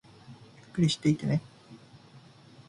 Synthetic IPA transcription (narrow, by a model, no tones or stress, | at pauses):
jɯkːɯɾʲiɕi̥t̪ːe̞it̪ene